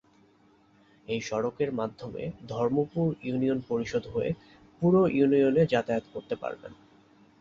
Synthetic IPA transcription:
ejʃɔɽokeɾmad̪ʱːomḛd̪ʱɔɾmopuɾjunionpoɾiʃod̪ʱɦoḛ | puɾoʔjunioned͡ʑat̪aot̪koɾt̪epa̰ɾbḛn

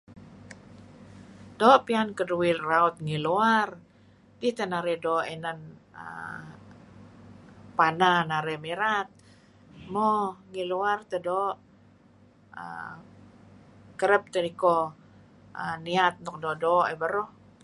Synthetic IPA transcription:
doːʔpiankəduilraut̪̚ŋiluar | dit̪ənaɾɛdoʔenanə̰ | pananaɾɛmiɾat̪̚ | moŋiluart̪ədoʔ | ə̰ | kəɾəp̚t̪əniko | əniat̪̚nɔk̚doʔdoʔebəɾɔh

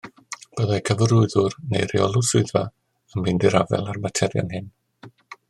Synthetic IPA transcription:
b̥əðajkʰəvəɾʊɨðʊrnḛjɾḭɔlˠʊsʊɨðva | ənbiːndɪɾavɛ̰lˠarbatʰɛɾja̰nɦɪn

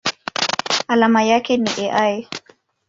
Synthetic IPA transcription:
alamajakɛniʔɛʔaj

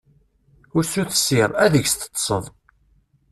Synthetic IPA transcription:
ʊɾsuθə̥sːɪɾˤæðəʝst̪ə̥t̪ˤːsˤəðˤ

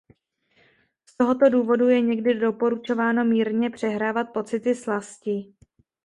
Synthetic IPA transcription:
st̪o̞ɦo̞t̪o̞duːvo̞dujɛɲɛɡdɪdo̞po̞ɾut͡ʃo̞vaːno̞miːɾɲɛpr̝̥ɛɦɾaːvat̪̚po̞t͡sɪt̪ɪslascɪ

